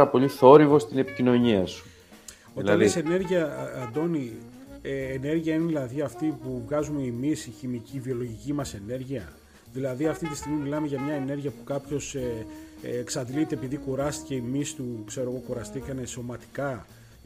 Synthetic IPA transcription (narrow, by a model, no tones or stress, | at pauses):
ɾɐpo̞ʎiθo̞ɾivo̞st̪ine̞pi̥cino̞ɲiɐsu̥ | olɐlisene̞ɾʝiɐːnd̪o̞ni | eːne̞ɾʝiɐineðilɐðiɐft̪ipuvɣɐzumeimisiçimicivio̞lo̞ʝicimɐse̞ne̞ɾʝiɐ | ðilɐðiɐft̪it̪ist̪iɣmimilɐme̞ʝɐmɲɐene̞ɾʝiɐpu̥kɐpço̞se | ksɐd̪ilit̪eːpiðikuɾɐst̪i̥ce̞imist̪ukse̞ɾo̞ɣo̞kuɾɐst̪ikɐne̞so̞mɐt̪i̥kɐ